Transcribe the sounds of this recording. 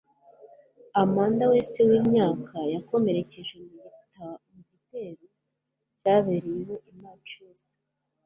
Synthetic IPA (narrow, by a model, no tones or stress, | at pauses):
amaːndawe̞ːste̞wiːmɲaːkʰajako̞me̞ɾe̞ce̞ʒwe̞muɡitamuɟite̞ːɾo | caːβeɾijewo̞ʔimaːt͡ʃujoːse̥